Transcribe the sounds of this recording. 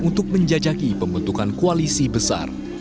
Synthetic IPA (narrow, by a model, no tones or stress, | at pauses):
unt̪ʊk̚məɲd͡ʒad͡ʒakipəmbənt̪ukankoalisibəsa̰r